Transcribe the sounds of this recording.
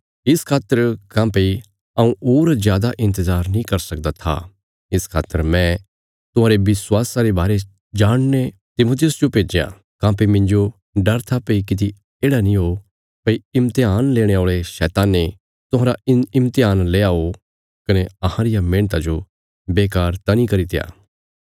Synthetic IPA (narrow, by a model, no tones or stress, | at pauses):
ɪskʰaːt̪ːəɾkãːpei | ɐũoːɾzjaːd̪aʔɪ̃nt̪əzaːɾnĩkɐɾsɐk̚d̪at̪ʰa̰ | ɪskʰa̰ːt̪ːəɾmɛ̃ | t̪ʊɦãːɾebɪswaːsaɾebaːɾe | d͡ʒaːɽ̃ne | t̪ɪmoːt̪ʰɪjʊsd͡ʒopeːd͡ʒejã̰ | kãːpemɪ̃ɲd͡ʒo | ɖɐɾt̪ʰapeikɪt̪̬i | eːɽanĩɦo | pɐiɪmt̪eaːnleːɽ̃eoːɭeʃɛːt̪aːnːe | t̪ʊɦãːɾaɪmt̪ɪaːnleːaɦo | kɐneɐhãɾɪjamɪ̃ːɳ̃t̪ad͡ʒo | beːkaːɾt̪ɐnĩkɐɾit̪ɪja̰ː